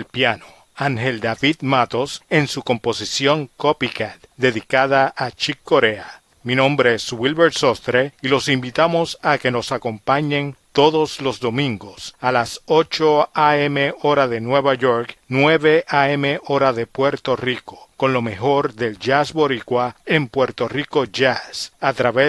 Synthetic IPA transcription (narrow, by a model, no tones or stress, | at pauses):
elpjano̥ | aŋheld̪aβiðmat̪o̞se̞nsuko̞mpo̞sisjo̞ŋkopikat̪d̪e̞ðikaðaʔat͡ʃikːo̞ɾea | minõmbɾeeswilβeɾt̪sost̪ɾeilo̞simbit̪amo̞sake̞no̞sako̞mpaɲẽnt̪o̞ðoslo̞zðomĩŋɡosalasot͡ʃoaemeoɾaðenwe̞βaʝoɾknweβeʔaemeʔo̞ɾaðe̞pwe̞ɾt̪o̞riko̥ko̞nlo̞me̞xo̞ɾðelʝasβo̞ɾikwaempwe̞ɾt̪o̞riko̞ʝasat̪ɾaβe